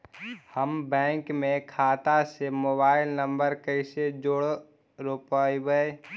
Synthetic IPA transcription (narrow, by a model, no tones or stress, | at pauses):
həmbɛ̃ːŋkmẽkʰaːt̪asemoːbaːɪlnə̃mbəɾkəɪsed͡ʒoːɽ | ɾopaːibəe